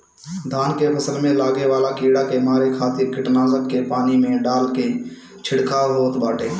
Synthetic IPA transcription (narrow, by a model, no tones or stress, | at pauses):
d̪ʱaːnkepʰəsəlmẽlaːɡeʋaːlakiːɽakemaːɾekʰaːt̪ɪɾkɪʈnaːzəkkepaːnimẽɖaːlke | t͡ʃʰɪɽkʰaɦoːt̪baːʈʰeː